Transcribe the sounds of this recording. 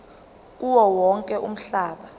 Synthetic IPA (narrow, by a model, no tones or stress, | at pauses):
uwɔwɔŋkʼɛʔum̩ɬaːɓa